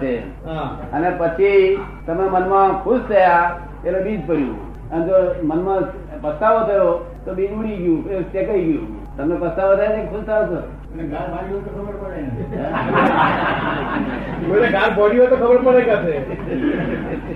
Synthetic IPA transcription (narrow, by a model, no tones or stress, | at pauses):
e | ɦaənepət͡ʃʰi | t̪əmnemənmãkʰust̪ʰəja | elobid͡ʒpəɾjṵ̃ | əned͡ʒomənmã | pəsaʋot̪ʰəjo | t̪obid͡ʒuɽiɡjũet͡ʃekaiɡjṵ̃ | t̪əmnepəsaʋot̪ʰəjanekkʰust̪ʰəjot̪ʰəjo̰ | eɡʱaɾbaɽiot̪okʰəbəɾpəɽeə | məneɡʱãɾboɽijot̪okʰəbəɾpəɽeɡase